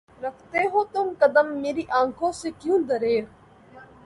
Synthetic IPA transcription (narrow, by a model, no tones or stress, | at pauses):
ɾəkʰt̪eːɦoːt̪ʊmkəd̪əmːeːɾiːʔãːŋkʰõːseːkjũːd̪əɾeː